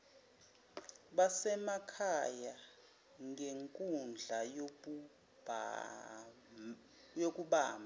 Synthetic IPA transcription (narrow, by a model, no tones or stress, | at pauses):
ɓasɛmakʰaja | ŋɡeŋkʼund͡ɮʱaj | jok̬ʼuɓa̰ːma